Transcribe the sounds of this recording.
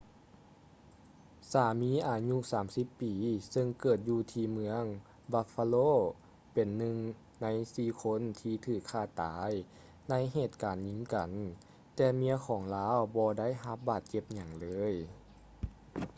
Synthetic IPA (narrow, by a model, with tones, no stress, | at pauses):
saː˨˦miː˧˥˨ʔaː˨˩ɲu˧˥˨saː˩˦msi˧˥pːiː˨˦sɤ˧ŋkɤː˨˩t̪̚juː˧t̪ʰiː˧mɯ˧əŋ | ba˧fa˧loː˧˥˨ | pe˨˩nːɯ˧ŋ | na˧˥jsiː˧kʰo˧˥˨nt̪ʰiː˧t̪ʰɯː˧˩kʰːaː˧˩t̪aː˩˨˦j | na˧˥˨jɦeː˧˨˩t̪̚kaː˨nɲi˧˥ŋka˨˩n | t̪ɛː˧˩mi˧˥əkʰɔː˩˦ŋlaː˧˥˨wbɔː˧da˥˨jɦa˧˦p̚baː˨˩t̪̚t͡ɕe˧p̚ɲa˨˩ŋlɤː˨˦˥j